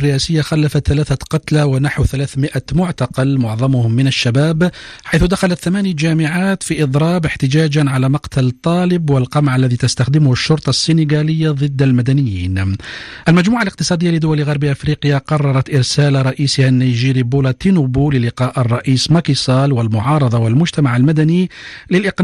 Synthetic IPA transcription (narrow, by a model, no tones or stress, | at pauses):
rːɪʔaːsɪjːaxalːafat̪θalaːθaqɑt̪lawanaħwθalaːθmɪʔamʊʕt̪ɑqɑlmʊʕðˤɑmʊhʊmːɪnaʃːabaːbħajθʊd̪axalat̪θamaːnɪjd͡ʒaːmɪʕaːt̪fiʔɨd̪ˤɾˤɑːbɪħt̪ɪd͡ʒaːd͡ʒanʕalaːmɑqt̪ʰalt̪ˤːɑːlɪbwɪlqɑmʕalːæðiːt̪ast̪axd̪ɪmʊhʊʃːʊɾˤt̪ˤɑsːɪnɪɡalɪjːaðˤɨd̪ːalmad̪anɪjːiːnʔalmad͡ʒmuːʕalɪq̚t̪ɨsˤɑːd̪ɪjːalɪd̪ʊwalɣɑɾˤbiʔafɾiːqɪjaqɑrˤːɑɾˤɑt̪ʔɪɾsaːlɾˤɑʔiːshanːajʒiːɾibulat̪inubulɪlɪqɑːʔɑrˤːɑʔiːsmakisˤɑːlwalmʊʕɑːɾˤɑðˤɑwalmʊd͡ʒt̪amaʕalmad̪anilɪlʔɪq